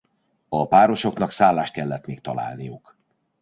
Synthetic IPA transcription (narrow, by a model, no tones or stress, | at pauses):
ɒpaːɾo̞ʃo̞knɒksaːlːaːʃt̪̚kɛlːɛt̪meːk̚t̪ɒ̰la̰ːlnijuk